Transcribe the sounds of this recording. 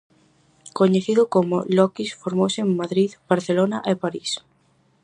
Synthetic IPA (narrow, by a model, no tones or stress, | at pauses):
koɲeθiðokomolɔkisfoɾmowseemmaðɾiðb̥aɾθelonaʔepaɾis